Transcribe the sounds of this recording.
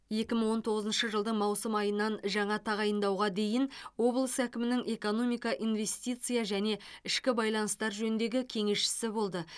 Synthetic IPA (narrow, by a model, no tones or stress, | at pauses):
je̞kʲɪmɪɴwo̞nt̪ʰo̞ʁəzənʃəʒəlˠd̪əɴmɑwsəmɑjənːɑnʒɑɴɑt̪ʰɑʁɑjənd̪ɑwʁɑd̪e̞jɪnwo̞blˠəsækʲɪmɪnɪŋʔe̞ko̞no̞mijkɑʔinve̞st̪it̪sɨjɑʒæne̞ɪʃkʲɪbɑjlˠɑnəst̪ɑɾʒɵnɪnd̪e̞ɡʲɪkʲʰe̞ŋe̞sʃɪ̥sɪbo̞lˠd̪ə